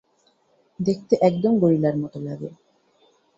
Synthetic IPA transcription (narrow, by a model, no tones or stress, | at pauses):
d̪ek̚ʰt̪eʔɛkd̪omɡoɾilaɾmɔt̪olaɡe